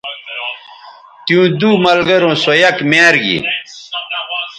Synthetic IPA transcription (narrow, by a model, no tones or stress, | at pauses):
t̪ijũːd̪umɐlɡɐɾõːsojɐkmaːɾɡḭ